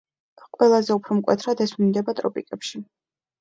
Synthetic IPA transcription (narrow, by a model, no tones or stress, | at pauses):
qʼwɛlˠazɛupʰɾɔmkʼwɛ̰t̪ʰɾad̪ɛsmind̪ɛbat̪ʼɾɔpʼikʼɛpʃi